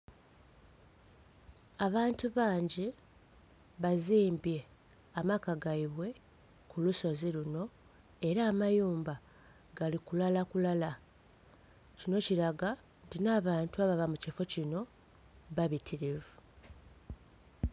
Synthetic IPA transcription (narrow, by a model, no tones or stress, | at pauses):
aβaːntuβaːɲɟi | βaziːmbje̞ | amakaɡaiβwe̞ | kʰuluso̞ziluno̞ | e̞ɾaːmajuːmba | ɡalikulalakulala | cino̞ciɾaɡantinaːβaːntuaβaβamucifo̞cino̞ | βaβitʰiɾivu